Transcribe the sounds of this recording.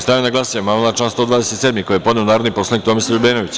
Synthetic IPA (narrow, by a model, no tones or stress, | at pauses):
st̪ajenaɡlˠasemaolˠat͡ʃaːnst̪od̪vaːd̪e̞set̪sed̪mikojijepod̪neunaːɾod̪nipo̞slˠanikt̪o̞misaʎubeːnoʋit͡ɕ